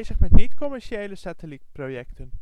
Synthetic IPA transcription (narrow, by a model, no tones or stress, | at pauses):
jzəχmɛtnitkɔmɛɹʃejləsatəlit̚prowjɛktən